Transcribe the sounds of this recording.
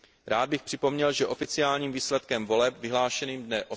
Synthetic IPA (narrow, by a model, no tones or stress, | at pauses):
ɾaːd̪̚bɪxpr̝̥ɪpo̞mɲɛlʒɛʔo̞fɪt͡sɪaːlɲiːmviːslɛt̪kɛmvo̞lɛpvɪɦlaːʃɛniːmdnɛʔo